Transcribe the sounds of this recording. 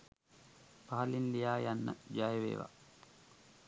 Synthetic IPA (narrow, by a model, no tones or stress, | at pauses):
paɦɐlinlijaːjanːə̰d͡ʒajəʋḛːʋa̰